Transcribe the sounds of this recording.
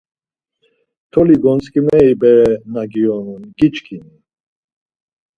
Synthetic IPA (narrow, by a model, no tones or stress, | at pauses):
t̪ʰɔliɡɔnt͡skʼimɛibɛɾɛnaɡiɔnunɡit͡ʃkʰini